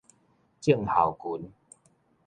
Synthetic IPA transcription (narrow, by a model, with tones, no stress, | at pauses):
t͡ɕi˥˩˨ŋha˨˩wku˨˦n